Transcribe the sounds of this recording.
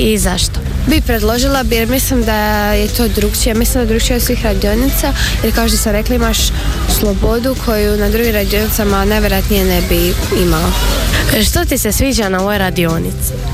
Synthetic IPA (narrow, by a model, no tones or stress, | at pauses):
izaʃt̪obipɾed̪lˠo̞ʒilˠabeɾmislimd̪ajet̪o̞ːd̪ɾukt͡ʃijemislimd̪aj̪ɾukt͡ʃiosʋiːxɾad̪io̞nit̪sajeɾkaoʃ̬t̪osamɾeklaimaʃ | slˠobo̞d̪ukʰo̞junad̪ɾuɡimɾad̪io̞nit̪samanajʋʲjeɾojat̪nije̞nebiimalo | ʃt̪ot̪isesʋiːd͡ʑanaojoɾad̪io̞nit̪si̥